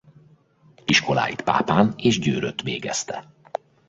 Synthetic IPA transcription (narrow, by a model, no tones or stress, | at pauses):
iʃko̞la̰ːjit̪pa̰ːpaːneːʒɟøːɾøt̪ʋeːɡɛ̰st̪ɛ